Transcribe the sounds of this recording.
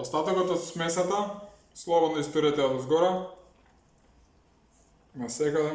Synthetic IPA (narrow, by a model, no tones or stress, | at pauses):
ɔst̪at̪okɔt̪ɔt̪smɛsat̪a | slˠɔvɔt̪naist̪ɔɾiat̪ad̪zɡɔɾa | nasɛɡa